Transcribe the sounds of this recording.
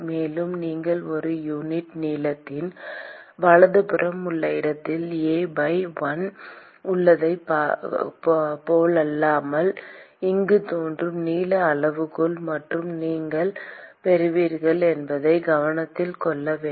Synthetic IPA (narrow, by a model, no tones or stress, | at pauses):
meːlɯmniːŋɡɐɭɔɾɯjuːnɪʈniːlɐt̪ːɪn | ʋɐɭɐðɯpɪrɐmʊɭːɐɪɽɐt̪ːɪleːbɐɪʋɐn | ʊɭːɐðɐɪpː | poːlɐlːaːmɐlɪŋɡɯt̪oːndrɯmniːlɐːɭɐʋɯkɯɭmɐʈrɯmniːŋɡɐɭpɛɾɯʋiːɾɣɐɭɛnbɐðɐɪɡɐʋɐnɐt̪ːɪlkɔɭːɐʋeː